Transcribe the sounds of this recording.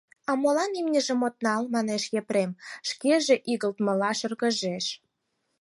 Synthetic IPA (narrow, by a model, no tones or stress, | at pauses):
ɑmolɑnimnʲəʒə̆mot̪̚nɑlmɑneʃjepɾemʃkeʒĕʔiɣəlt̪mə̆lɑʃə̆rɣə̆ʒeʃ